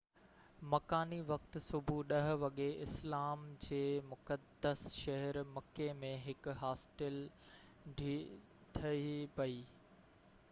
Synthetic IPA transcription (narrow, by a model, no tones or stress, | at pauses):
mɐkaːniʋɐkt̪ʊ̆sʊbʱuɗɐɦʊ̆ʋɐɠeɪslaːmd͡ʑeːmʊkəd̪əsʃɐɦɛɾmɐkːemẽɦɪkɦaːsʈɪl | ɖʱi | t̪ʰɐipɐiː